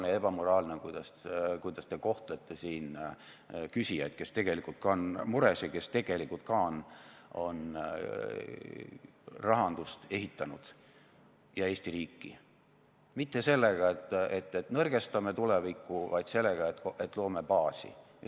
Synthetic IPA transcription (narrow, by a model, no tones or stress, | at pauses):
nejɑe̞b̥ɑmo̞ɾɑːlnekujd̪̥ɑskujd̪̥ɑst̪e̞ko̞ht̪let̪ːˑe̞siːn | kysijɑjd̪̥̚ke̞st̪e̞ɡ̥e̞likult̪̚kɑnmuɾeseke̞st̪e̞ɡ̥e̞likːult̪̚kɑono̞n | rɑɦɑnd̪̥ust̪e̞ɦit̪ːˑɑnud̪̥ | jɑeːsʲt̪iɾiːkːˑi | mit̪ˑːe̞se̞lːeɡ̥ɑet̪ːˑet̪ˑːet̪nɤrɡ̥e̞st̪ɑme̞t̪ulɛvikːˑuvɑjd̪̥se̞lːeɡ̥ɑet̪kʔe̞t̪ːˑlo̞ːmepɑːsḭjɑ